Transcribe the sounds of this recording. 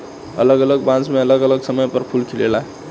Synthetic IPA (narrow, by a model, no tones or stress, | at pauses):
ə̰ləɡələɡbãnsmeələɡələɡsəməjpəɾpʰulkʰilela